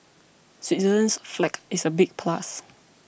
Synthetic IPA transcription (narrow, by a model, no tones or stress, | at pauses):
sitizə̃nsflɛkisəbik̚pʰlas